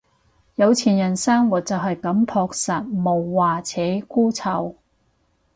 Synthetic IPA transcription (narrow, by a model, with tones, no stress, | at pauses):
jɐ˨˧wt͡sʰiː˨˩njɐ˨˩nsaː˥ŋwuː˨˩t̚t͡sɐ˨wɦɐ˨jkɐ˨˧˥mpʰɔː˧k̚saː˨˩t̚mo˨˩wːaː˨t͡sʰɛː˨˥kuː˥t͡sʰɐ˨˧˩w